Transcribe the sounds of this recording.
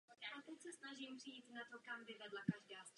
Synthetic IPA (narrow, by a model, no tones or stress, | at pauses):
aʔat̪ɛcsɛsnaʒimpr̝̥ɪjiːt̪nat̪okambɪvɛdlakaʒdaːs